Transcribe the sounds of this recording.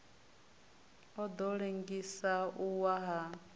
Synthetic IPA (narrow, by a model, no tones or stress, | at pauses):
ɔd̪ɔɺeŋɡisauwaɦa